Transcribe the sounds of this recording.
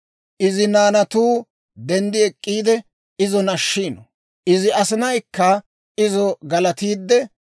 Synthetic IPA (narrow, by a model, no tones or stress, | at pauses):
ʔɪzɪnaːnɐt̪uː | d̪ɛnd̪ɪɛkʼːiːd̪ɛ | ɪzɔnɐʃːiːnɔ | ʔɪzɪɐsɪnɐjkːɐ | ɪzɔɡɐlɐt̪iːd̪ːɛ